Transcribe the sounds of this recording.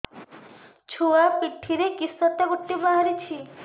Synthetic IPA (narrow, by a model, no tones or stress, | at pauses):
t͡ʃʰoapiʈʰːiɾekisɔt̪ːaɡoʈːibaɦaɾit͡ʃʰi